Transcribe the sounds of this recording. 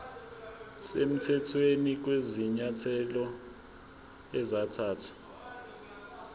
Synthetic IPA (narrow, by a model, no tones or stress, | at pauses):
sem̩tʰɛtʰwenik̬weziɲatʰɛlɔ | ɛzatʰaːtʰḁ